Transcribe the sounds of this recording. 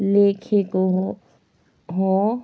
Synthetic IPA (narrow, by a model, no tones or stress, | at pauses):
leːkʰekoɦ | ɦo